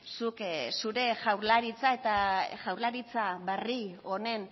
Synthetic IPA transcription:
suksuɾe̞ʝawɾlaɾit͡saet̪aʝawɾlaɾit͡saβe̞rio̞ne̞n

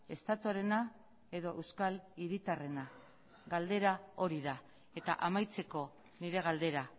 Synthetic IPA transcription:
e̞st̪at̪uaɾe̞na | e̞ðo̞ʔewskaliɾit̪are̞na | ɡald̪e̞ɾao̞ɾiða | e̞t̪a̰ʔamajt͡se̞ko̞ | niɾe̞ɣald̪e̞ɾa

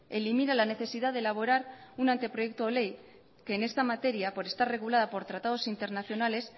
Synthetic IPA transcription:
e̞liminalane̞θe̞sið̞aðe̞laβ̞o̞ɾaɾunant̪e̞pɾo̞ʝe̞k̚t̪ole̞j | ke̞ːne̞st̪amat̪e̞ɾiapo̞ɾe̞st̪are̞ɣulað̞apo̞ɾt̪ɾat̪að̞o̞sint̪e̞ɾnaθjo̞nale̞s

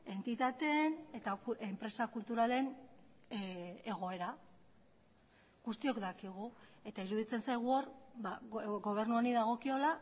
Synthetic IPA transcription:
e̞nt̪it̪at̪e̞ne̞t̪aempɾe̞sakult̪uɾale̞n | e̞ɣ̞o̞e̞ɾa | ɣust̪io̞kd̪akiɣ̞ue̞t̪aiɾuðit͡se̞nsajɣ̞uoɾbaɡo̞β̞e̞ɾnuoniðaɣ̞o̞kio̞la

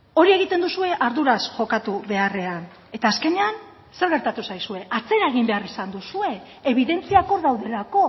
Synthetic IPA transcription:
o̞ɾie̞ɣ̞it̪e̞nd̪usue̞ʔaɾðuɾasʝo̞kat̪uβe̞are̞an | e̞t̪aːske̞ne̞an | se̞ɾɣe̞ɾt̪at̪usajsue̞ʔat͡se̞ɾaeɣ̞imbe̞arisand̪usue̞ː | β̞iðe̞nt͡siako̞ɾðawðe̞lako̞

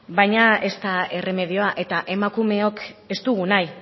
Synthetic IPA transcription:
bajɲae̞st̪ae̞re̞me̞ð̞io̞aʔe̞t̪aʔe̞makume̞o̞ke̞st̪uɣunaj

